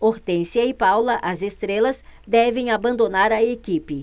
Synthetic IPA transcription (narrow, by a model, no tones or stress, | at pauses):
oɾt̪ẽsiɐɪpawlɐʔɐzest̪ɾelɐzd̪ɛvẽj̃abɐ̃nd̪onaɾɐekipɪ